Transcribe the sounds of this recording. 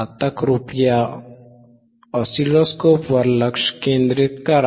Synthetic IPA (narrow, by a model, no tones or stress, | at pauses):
at̪akɾupja | ɔsilɔskopwaɾlakʃkend̪ɾit̪̚kaɾ